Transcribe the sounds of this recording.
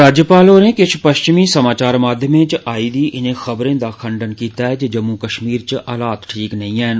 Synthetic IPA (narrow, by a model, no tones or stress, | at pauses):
ɾaːd͡ʒjəpaːloːnẽkɪt͡ʃʰpəʃt͡ʃɪmisəmaːt͡ʃaːɾmaːd̪ʱjəmẽt͡ʃaːiːd̪iːʔɪnẽxəbɾẽːd̪aːkʰə̃ɳɖənkiːt̪aɦɛd͡ʒd͡ʒəmːukəʃmiːɾt͡ʃʔɐːlaːt̪ʈʰiːknɐɦĩɛːn